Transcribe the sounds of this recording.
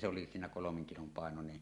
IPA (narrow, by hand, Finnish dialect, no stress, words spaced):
se oli siːnæ kolomeŋ kilom pɑˑenonen